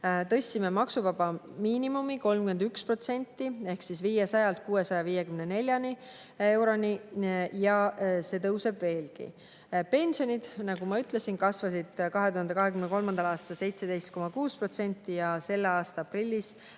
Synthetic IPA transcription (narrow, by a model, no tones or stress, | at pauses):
t̪ɤ̞sʲːime̞mɑksuvɑbɑmiːnimumiko̞lmkymed̪ykspro̞t̪se̞nʲt̪ːie̞hksisviːjesɑjɑlt̪̚kuːe̞sɑjɑviːje̞kymne̞ne̞lʲjɑni | e̞wɾo̞nʲijɑse̞ːt̪ɤwse̞bve̞ːlkḭ | pe̞nʲsio̞nʲid̪̥nɑɡumɑyt̪ˑle̞sinkɑsvɑsid̪̥kɑɦe̞t̪uhɑnd̪ekɑɦe̞kymneko̞lmɑnd̪ɑlɑːst̪ɑlse̞jt̪se̞d̪e̞jst̪̚ko̞mɑkuːspro̞t̪se̞nʲt̪ˑːijɑse̞lːeɑːst̪ɑɑprilʲːis